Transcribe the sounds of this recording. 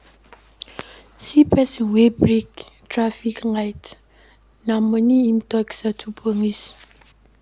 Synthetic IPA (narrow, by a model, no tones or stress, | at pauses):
sipɛsiŋʷebɾiktɾafiknajt | namoniim̩tɔksatʰupoŋis